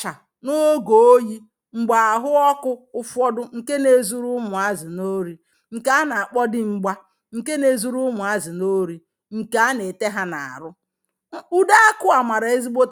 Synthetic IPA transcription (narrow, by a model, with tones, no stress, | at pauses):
t͡ʃa˨ | no˦o˦ɡo˨o˦ji˦ | ŋ͡m̩˨ɡ͡ba˨a˨ɦʊ˦ɔ˦kʊ˦ʊ˦fɔ˦dʊ˦ŋ̩˨ke˦ne˦zu˦ɾʊ˦mʊ˨a˦zɪ˨no˦ɾi˨ | ŋ̩˨ka˦a˦na˨a˨k͡pɔ˦dɪ˦ŋ͡m̩˨ɡ͡ba˦ | ŋ̩˨ke˦ne˦zu˦ɾu˦mʊ˨a˦zɪ˨no˦ɾi˦ | ŋ̩˨ka˨a˦ne˨te˦ɦa˦na˨a̰˨ɾʊ˦ | u˦da˦kʊ˦a˨ma˨ɾa˨e˦zi˦bo˦t